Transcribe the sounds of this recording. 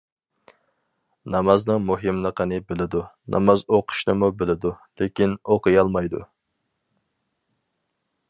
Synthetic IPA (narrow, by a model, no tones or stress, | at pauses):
nɑmɑznɨŋmuɦɨmlˠəqʰənɨbɪlɪd̪unʔɑ̰mɑzoqʰʊ̥ʃnɨmubɪlɪd̪ulekʲinoqəjɑlˠmɑjd̪ṵ